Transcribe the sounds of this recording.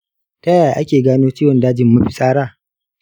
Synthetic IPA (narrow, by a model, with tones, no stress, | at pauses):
tɐ˦jaː˨ʔa˦kʲeː˨ɡaː˦noː˦t͡ʃiː˦wɔ˨ndaː˦d͡ʒɪ˨mːu˦ɸi˦sʼaː˦ɽaː˦˨